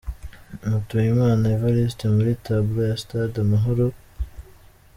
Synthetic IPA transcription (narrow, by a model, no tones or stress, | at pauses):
mutujimaːnaevaɾistemuɾitabuɾojastadamaɦoɾo